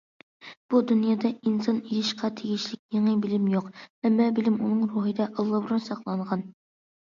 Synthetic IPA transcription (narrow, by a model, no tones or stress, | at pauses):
b̥ud̪unjɑːd̪ɑinsɑnijɪʃqʰɑt̪ʰeɡʲiʃlɪk̚ʲneŋɨbɪlɪmjoqɛmːɑbɪlɪmunɨŋɾuɦɨd̪ɛʔɑlˠːɑbɾunsɑχlˠɑɴʁɑn